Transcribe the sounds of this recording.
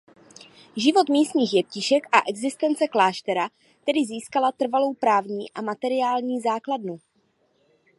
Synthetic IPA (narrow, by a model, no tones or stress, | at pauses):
ʒɪvo̞t̪miːst̪ɲiːxjɛp̚cɪʃɛkʔaʔɛɡzɪst̪ɛnt͡sɛklaːʃt̪ɛɾa | t̪ɛdɪziːskalat̪r̩valo̞wpɾaːvɲiːʔamat̪ɛɾɪaːlɲiːzaːkladnu